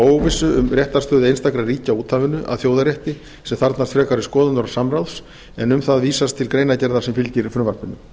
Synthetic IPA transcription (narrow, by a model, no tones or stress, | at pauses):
oːwvɪsʏʏmrjɛht̪ast̪œːðɪejnst̪akɾariːcauːt̪ʰːavɪnʏʔa̰ðθjowðaɾjɛht̪ɪ | sɛmθaɾt̪nast̪fɾɛːkaɾɪskɔːðʏnɔɾḁsamɾawls | ɛnʏmθaðviːsast̪ʰːɪlkɾejnacɛɾðaɾsɛmfɪlcɪɾfɾʏmvaɾ̥pɪnːʏ